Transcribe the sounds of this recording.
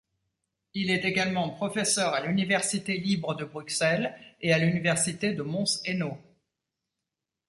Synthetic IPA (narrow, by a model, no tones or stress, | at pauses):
ilɛt̪eɡalmɑ̃pχɔfɛsœʁalynivɛʁsit̪elibʁəd̪əbʁyksɛlealynivɛʁsit̪ed̪əmɔ̃seno